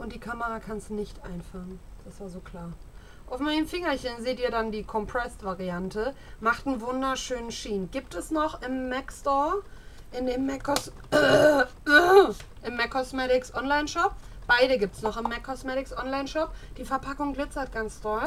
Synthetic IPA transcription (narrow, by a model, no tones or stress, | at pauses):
ʔʊntd̥iːkʰaməʁakʰanstunɪçtʔaɪnfaənd̥asjaːzoːkʰl̥aːɐ | ʔaʊfmaɪnəmfɪŋɐçənzeːtiːɐdandiːkʰɔmpʁ̥ɛstv̥aʁiantə | maχtn̩vʊndɐʃøːnənʃiːnɡiːp̚tɛsnɔχɪmːɛkstɔɐ | ʔɪndeːmːɛkɔs | ʔɪmːɛkʰːɔsmɛtɪksʔɔnlaɪnʃɔp̚ | b̥aɪdəɡiːp̚tsnɔχɪmːɛkʰːɔsmɛtɪksʔɔnlaɪnʃɔp̚d̥iːfɛɐpʰakʊŋɡlɪt͡sɐt̚ɡ̥ant͡sd̥ɔ